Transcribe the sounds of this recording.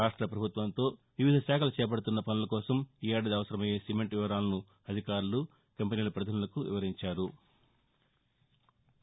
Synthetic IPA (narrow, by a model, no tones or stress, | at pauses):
ɾaːʂʈɾɐpɾɐbʱut̪ʋɐnt̪o̞ːʋiʋid̪ʱɐʃaːkʰɐlɐt͡ʃɛːp̬ɐɽut̪unːɐpɐnulɐkɔːsɐmiːɐɖɐd̪ɐʋɐsɐɾɐmɐjeːsimeɳʈʋiʋɐɾaːlɐnu | ɐd̪ʱikaːɾulu | kɐmpʲeniːlɐpɾɐd̪ʱɐnulɐkuʋḭʋɐɾiɲt͡ʃaːɾu